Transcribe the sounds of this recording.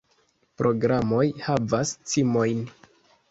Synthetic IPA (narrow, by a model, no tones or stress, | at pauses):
pɾʔo̞ɡɾamo̞jhavast͡simo̞jn